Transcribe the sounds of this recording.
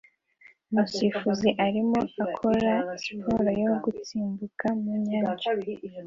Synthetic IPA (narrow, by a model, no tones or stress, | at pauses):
musifuziʔaɾimoakʰoɾasi̥pʰoɾojoɡut͡siːmbukamumɲaːɲt͡ʃa